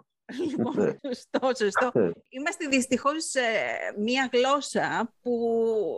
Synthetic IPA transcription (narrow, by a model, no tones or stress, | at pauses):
liponost̪osost̪oimɐst̪eðist̪ixo̞s | mɐɣlo̞sɐpu